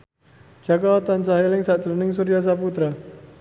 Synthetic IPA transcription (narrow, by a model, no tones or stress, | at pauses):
d͡ʒ̥akaat̪ansaɦelɪŋsaʔt͡ʃəlunɪŋsuɾias̬aput̪ɾa